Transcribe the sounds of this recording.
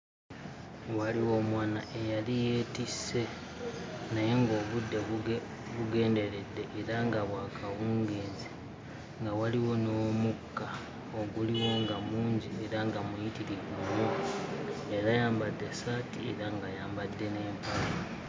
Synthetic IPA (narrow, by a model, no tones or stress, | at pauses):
waliwo̞mwaːnaʔe̞jalijeːtise̞ | naje̞ŋɡo̞ːβudːe̞ | βuɡe̞ːnde̞ɾe̞d̪ːe̞ʔeɾaŋɡaβwaːkʰawuːŋɡeːzi | ŋɡawaliwo̞no̞mukːa | oɡuliwo̞ŋɡamuːɲɟieɾaŋɡamujitiɾiɡuno | eɾajaːmbadːe̞saːtiḛɾaŋɡajaːmbad̪ːe̞ne̞ːmpala